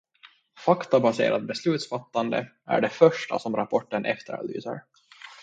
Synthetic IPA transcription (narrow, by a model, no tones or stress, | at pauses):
fakt̪abasḛːɾʔat̪̚bɛslʉ̟ːt̪sfat̪ːand̪ə | æ̰ɖɛfœʂʈa̰sɔmɾapʰɔʈːənʔɛ̰ft̪əɾa̰ly̰ːsə̰ɾ